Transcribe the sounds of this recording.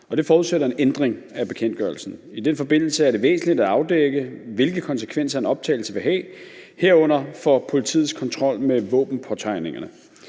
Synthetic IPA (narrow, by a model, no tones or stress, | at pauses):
ɒ̽d̥e̝fɒːuðˠseɾɐe̝nend̥ʁeŋ | æb̥e̝̥kʰen̰d̥ɡ̥ɶɐlsn̩id̥enfɒ̽be̝n̰l̩səæɐɾ̥e̝ʋḛːsn̩lid̥æɑ̈ʊd̥eɡ̥əʋe̝lɡ̥əkʰɒ̽nsə̥kʰʋen̰sɐenɒ̽b̥̚t͡sʰɛ̰ːɪl̩səʋe̝ɦɛ̰ːhe̝ɐ̰ɔ̽n̰ɐfɒ̽pʰo̝lit͡sʰḭːð̩ˠskʰɒ̽nt͡sʰʁɒ̽l̰meʋɔ̰̽ːb̥n̩pʰɒt͡sʰɑ̈ɪne̝ŋɐnə